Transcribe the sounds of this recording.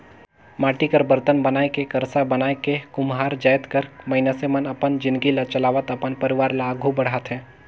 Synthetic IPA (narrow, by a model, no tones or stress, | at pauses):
maːʈikəɾbəɾt̪ənbɐnaːekekɐɾsabɐnaːekekʊmɦaːɾd͡ʒaːjt̪kɐɾmɐɪnəsemənɐpənd͡ʒɪ̃nd̪ɡilat͡ʃɐlaːʋət̪ɐpənpɐɾɪʋaːɾlaːɡʱubɐɽ̤aːt̪ɦɛ̃ː